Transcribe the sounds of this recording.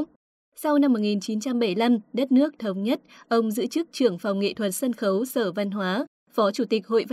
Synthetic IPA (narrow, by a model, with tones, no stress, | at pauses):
sa˧wna˧mːo˨˩ŋi˨˩nt͡ɕi˨˦nt͡ɕa˧mɓə˧˩jla˧mɗə˦˥t̚nɨ˦˥ək̚t̪ʰə˨˦wŋ͡mɲə˦˥t̚ʔə˧wŋ͡mzɨ̰˧˥t͡ɕɨ˦˥k̚t͡ɕɨ˧˩əŋfa˨˩wŋ͡mŋḛ˧˨t̪ʰwə˨˩t̚sə˧nxə˨˦wsəː˧˩va˧nɦwaː˨˦ | fɔ˨˦t͡ɕu˧˩t̪ï˨˩k̚ho̰˧˨jv